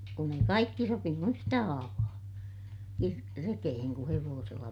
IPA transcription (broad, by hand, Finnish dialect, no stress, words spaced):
kun ei kɑikːi sopinu yhtæ hɑːʋɑː kir rekeheŋ ku heʋoːselːɑ